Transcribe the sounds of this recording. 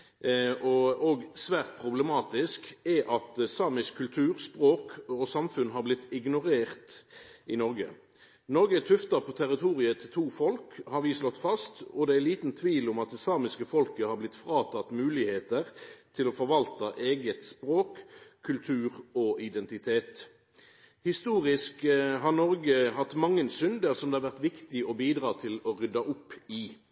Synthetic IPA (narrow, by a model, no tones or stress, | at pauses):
ɔoɡsʋæːʁt̪̚pʰɾʊblɛmɑːt̪ɪskɛʔɑt̪sɑːmɪskkʰːʉlt̪ʰʉːʁspʁoːkɔsɑmfʉnɦɑɾblɪt̪ːɪɡnʊɾeːʁt̪ɪnɔɾɡə̰ | nɔɾɡət̪ʰʉft̪ɑʁpʰɔt̪ʰæʁɪt̪ʰuːʁɪət̪ʰɪt̪ʰuːfɔlkhɑɾʋɪslɔt̪ːfɑst̪ɔd̪ɛæliːt̪nt̪ʰʋiːlʊmɑt̪ɛsɑːmɪskəfɔlkəhɑɾblɪt̪ːfɾɑːt̪ʰɑt̪mʉːlɪheːt̪əʁt̪ʰɪlɔfɔɾʋɑlt̪ɑʔeːɡət̪spɾoːkʰːʉlt̪ʰʉːʁɔɪd̪ɛnt̪ɪt̪ʰeːt̪ | hɪst̪uːʁɪskɦɑnɔʁɡəɦɑt̪ːmɑŋːənsʏnd̪əʁsɔmd̪ɛhɑʁʋæʁt̪ʋɪkt̪ɪʔɔbiːd̪ʁɑːt̪ʰɪlɔʁʏd̪ɑʔʊpːɪ